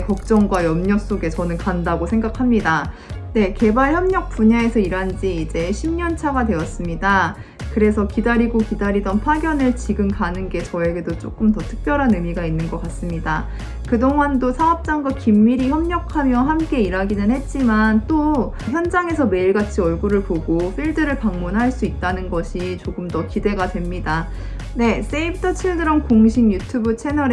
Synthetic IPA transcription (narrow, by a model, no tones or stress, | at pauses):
kʌk̚t͡ɕ͈ʌŋɡwajʌmɲʌs͈oɡe̞t͡ɕʌnɯnkandaɡosʰe̞ŋɡakʰamɲida | ne̞ke̞baɭçjʌmɲʌk̚p͈uɲae̞sʰʌiɾand͡ʑiːd͡ʑe̞ɕʰimɲʌnt͡ɕʰaɡadwe̞ʌs͈ɯmɲida | kɯɾe̞sʰʌkidaɾiɡokidaɾidʌnpʰaɡjʌnɯɭt͡ɕiɡɯmkanɯnɡe̞t͡ɕʌe̞ɡe̞dot͡ɕ͈o̰k͈ɯmtʌtʰɯ̥k̚p͈jʌɾɦanɯmiɡainːɯnɡʌk͈as͈ɯmɲida | kɯdoŋɦandosʰaʌp̚t͡ɕ͈aŋɡwakimːiɾiçjʌmɲʌkʰamjʌɦamk͈e̞iɾaɡinɯnɦhe̞t̚t͡ɕ͈imant͈o | çjʌnd͡ʑaŋe̞sʰʌme̞iɭɡat͡ɕʰiʌɭɡuɾɯɭpoɡoɸʰiɭdɯɾɯɭpaŋmunɦaɭs͈uit̚t͈anɯnɡʌɕʰit͡ɕoɡɯmdʌkide̞ɡatwe̞mɲida | ne̞s͈eibʰtʰʌt͡ɕʰiɭdɯɾʌmkoŋɕʰiŋjutʰubɯt͡ɕʰe̞nʌɾ